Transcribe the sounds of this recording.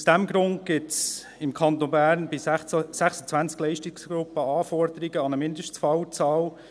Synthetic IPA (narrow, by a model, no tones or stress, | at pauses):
sd̥æmɡɾʊndɡ̥ɪts | ɪmkʰɑnt̪onbæːɾnbɪsæχsə̥t͡sʋænt͡sklɛɪʃtɪksɡ̥ɾʊpːəɑːfɔɾd̪əɾiɡəɑnəmɪndəʃt͡sfɑwt͡sɑːl